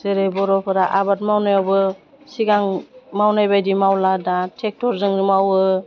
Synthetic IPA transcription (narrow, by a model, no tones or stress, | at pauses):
zeɾejbɔɾɔpʰɯɾaʔabat̚mawnajawbɯ | siɡaŋmawnajbajdimawladatʰek̚tʰɔɾzɯŋɾimawɯ